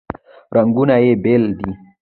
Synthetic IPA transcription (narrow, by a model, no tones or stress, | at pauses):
ɾɐŋɡunajebeld̪i